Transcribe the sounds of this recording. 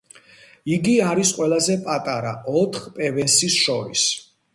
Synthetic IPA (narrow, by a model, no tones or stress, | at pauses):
iɡiaɾisqʼwɛlazɛpʼat̪ʼaɾa̰ɔt̪ʰχpʼɛvɛnsisʃɔɾḭs